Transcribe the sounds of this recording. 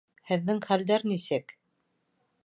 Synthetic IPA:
hɘ̆ðːɘŋχæld̪æɾnisɘk

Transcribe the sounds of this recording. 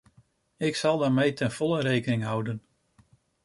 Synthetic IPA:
ɪksɑlˠdaːɹmejtʰɛnv̥ɔlˠəɾejkənɪŋɦʌwdən

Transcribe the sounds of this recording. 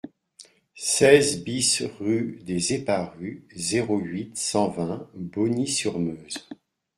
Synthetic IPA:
sɛzbisʁyd̪ezepaʁyzeʁoɥit̪sɑ̃vɛ̃bɔnisyʁmøːz

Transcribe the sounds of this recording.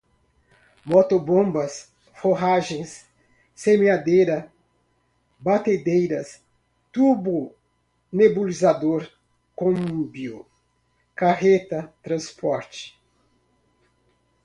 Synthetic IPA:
mot̪obõbɐs | foɦaʒẽj̃sː | emead̪ejɾɐ | bat̪ed̪ejɾɐs | t̪ubʊ | nebulizad̪oɾ | kõmũbio | kaɦet̪ɐt̪ɾɐ̃spɔɾt͡ʃɪ̥

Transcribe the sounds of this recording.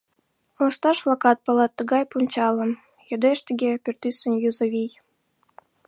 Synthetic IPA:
oʃt̪ɑʃflˠɑkɑt̪̚pɑlˠɑt̪ːə̆ɡɑjpunʲt͡ɕɑlɤ̆m | jod̪eʃt̪ə̆ɡʲepʲørt̪ysə̆nʲjuzɤ̆βʲij

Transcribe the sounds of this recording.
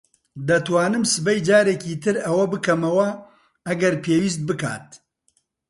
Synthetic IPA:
d̪ɐt̪waːnɨmsɨbɛjd͡ʒaːɾeːkiːt̪ɨɾɐwɐbɨkʰɐmɐwɐ | ɐɡɐɾpʰeːwiːs̬t̪̚bɨka̰ːt̪̚

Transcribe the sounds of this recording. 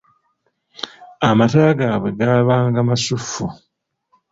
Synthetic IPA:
amataːɡaːβwe̞ɡaːβaːŋɡamasufːu

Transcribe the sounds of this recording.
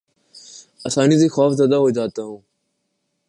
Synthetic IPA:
əsaːniːziːxoːfzaːd̪aːɦoːd͡ʒaːt̪aːɦũː

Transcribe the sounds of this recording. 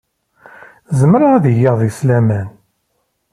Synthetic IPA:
zəmɾaæðijeʁðˤislæmæn

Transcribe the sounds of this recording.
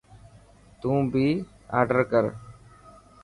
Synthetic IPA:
t̪ũːbʱiː | a̰ːɾɖəɾkəɾ

